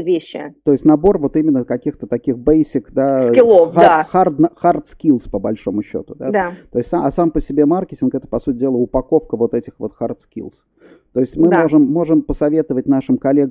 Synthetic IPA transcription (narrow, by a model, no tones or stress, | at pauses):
vʲeɕːɪ̰t̪o̞jɪsʲtʲnɐbo̞rvo̞t̪imʲɪnːəkɐkʲixt̪ət̪ɐkʲixbejsʲɪkd̪akʲɪlˠofaaxard̪nxart̪skʲilˠspəbɐlʲʂo̞mʊɕːo̰t̪ʊd̪ad̪at̪o̞ɪsʲt̪ʲsaɐsampəsʲɪbʲe̞markʲɪtʲɪnkɛt̪ə̥pɐsutʲɪdʲelˠəʊpɐko̞fkəvo̞t̪ɛtʲɪxvo̞̰t̪xart̪skʲḭlˠs | t̪o̞ɪsʲtʲmɨmo̞ʐɨmːo̞ʐɨmpəsɐvʲe̞t̪əvətʲnaʂɨmkɐlʲe̞ɡ